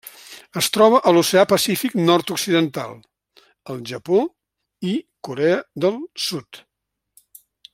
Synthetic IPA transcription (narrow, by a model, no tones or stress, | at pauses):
əst̪ɾɔβ̞əʔəlusəapəsifiknɔrt̪uksiðənt̪a̰lˠ | əlˠʒəpo | ikuɾɛəðəlˠsut̪